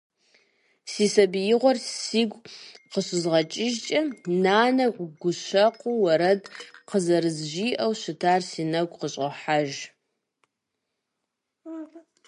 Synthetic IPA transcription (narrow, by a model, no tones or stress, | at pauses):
siːsɐbjɪʁʷɔrsiːɡʷqəɕʷɪzʁɐt͡ʃʼɪʒt͡ʃʼɐnaːnɐqʷɡʷʊʃʷɐqʷuwɐɾɐdqəzɐɾɨzʒiːʔɐwɕɪtʰaːrsiːnɐɡʷʼqəɕʼɐħaʒ